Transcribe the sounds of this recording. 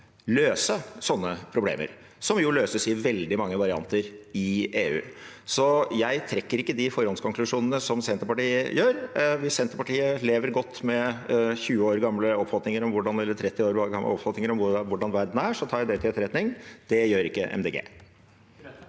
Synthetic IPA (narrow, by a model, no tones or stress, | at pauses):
løːsəsɔnːəpʰɾʊblḛːmə̰ɾ | sɔmjʊløːsəsɪʋɛld̪ɪmɑŋːəʋɑɾɪɑ̰nt̪əɾɪeːʉ̰ːsɔjæɪt̪ʰɾɛkːəɾɪkːəd̪ɪfɔɾɔnskɔŋklʉʂuːnənəsɔmsɛnt̪əɾpɑʈiːəjøːɾʋɪsɛnt̪əɾpɑʈʰiːəleːʋəɾɡɔt̪ːmɛçʉːəoːɾɡɑmləɔpːfɑt̪nɪŋəɾɔmʋʊɖɑnɛlːəʈʰɾɛt̪ːɪoːɾoːɾɡɑ̰mə̰ɔpfɑt̪nɪŋəɾɔmʋʋʊɖɑnʋæɾd̪n̩æʂɔt̪ʰɑːjæɪd̪ɛt̪ɪɛt̪ɾɛt̪nɪŋd̪̥ɛjøːɾɪkːə̰ʔɛ̰md̪eːɡḛː